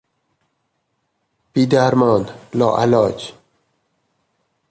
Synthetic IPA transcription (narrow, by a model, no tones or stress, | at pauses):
pid̪aɾmoːnlɔ̰ːʔa̰lɑːt͡ɕ